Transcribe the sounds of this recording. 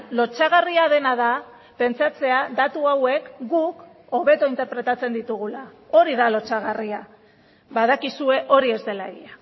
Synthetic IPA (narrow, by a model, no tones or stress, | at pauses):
lo̞t͡saɣariað̞e̞naða | pe̞nt͡sat͡se̞aðat̪uawe̞kɡuk | o̞βe̞t̪o̞int̪eɾpɾe̞t̪at͡se̞nd̪it̪uɣ̞ula | o̞ɾiðalo̞t͡saɣ̞aria | βaðakisue̞ʔo̞ɾie̞zd̪e̞laeɣia